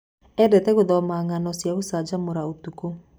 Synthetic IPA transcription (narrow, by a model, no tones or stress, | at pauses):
ɛdɛtɛɣoðɔmaŋanɔsjaβosad͡ʒamoɾaotuko